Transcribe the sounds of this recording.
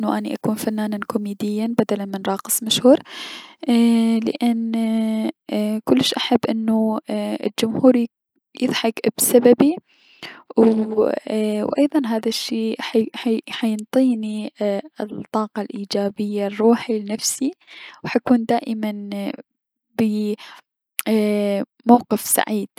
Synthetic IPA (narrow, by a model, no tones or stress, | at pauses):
ʔɪnːʊʔaniʔakuːnfanːaːnankʊmiːd̪ɪjːanbad̪alanmɪnɾˤɑːqɨ̥sˤmaʃhuːɾ | lɪ̰ʔɪn | kʊlːɪʃʔaħabːʔɪnːuɪ̰ld͡ʒʊmhuːɾ | jɨðˤħɑkbsababi | w | wʔɑjðˤɑnɦaːðaʃːiːħħajɪnt̪ˤiːni | t̪ˤːɑːqɑlʔiːd͡ʒaːbɪjːarˤːuːħilɪnafsiwħajkuːnd̪aːʔɪman | bɪ | mawqɪfsa̰ʕiːd̪̥̚